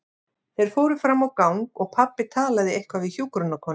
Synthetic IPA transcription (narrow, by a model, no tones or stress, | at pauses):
θejɾ̥foːwɾʏfɾamːawkawŋkɔɣpʰapːɪt̪ʰaːlaðɪejhkvavɪçjuːkɾonakʰɔːn